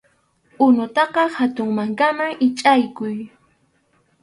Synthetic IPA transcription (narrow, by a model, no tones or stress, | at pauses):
ʊnʊt̪ɑqɑhat̪ʊŋmaŋkamaŋɪt͡ʃʼajkʊj